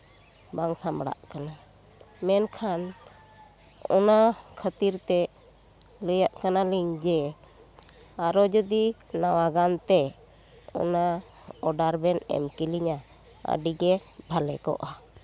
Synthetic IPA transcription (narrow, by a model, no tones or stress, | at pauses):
baŋsamɽa̰ʔkana | mɛnkʰan | ɔ̰nakʰət̪iɾt̪ɛ | ləjaʔkanaliŋd͡ʒɛ | aɾɔd͡ʒɔd̪inawaɡant̪ɛ | ɔ̰na | ɔɖaɾbɛnɛ̰mkiliɲa | ə̰ɖiɡɛbʱalɛ̰kɔ̰ʔa